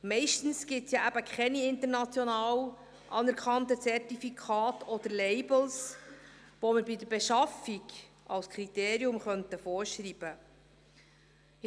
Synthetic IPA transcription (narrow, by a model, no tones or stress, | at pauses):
mɛɪʃtn̩sɡ̥ɪtsjɑæbəkʰχɛniɪnt̪əɾnɑt͡sjɔnɑːw | ʔɑːnɛɾkʰχɑntət͡sɛrtifikʰɑːtɔd̪əɾlɛɪbl̩s | ʋoməɾbidəɾbeʃɑfiɡ | ʔɑwskʰɾit̪eːɾiʊmχœntəfɔːɾʃɾiːb̥ə